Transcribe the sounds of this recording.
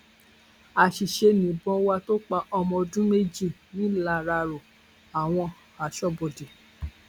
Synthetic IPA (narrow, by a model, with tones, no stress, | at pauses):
a˨ʃi˨ʃe˧nĩ˨bɔ̃˧˦wa˧to˦k͡pa˧ʔɔ˧mɔ̃˧dũ˦me˦d͡ʒi˦˨nĩ˨˦la˨˦˨ɾa˧ɾo˨ | a˨w̃ɔ̃˧ | a˨ʃɔ˦bo˨de˨